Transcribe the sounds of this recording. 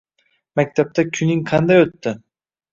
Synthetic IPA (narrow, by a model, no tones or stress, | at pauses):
mæk̚ʲt̪ʰap̚t̪ʰakʲʰynɪŋqʰɑnd̪ajot̪ːɪ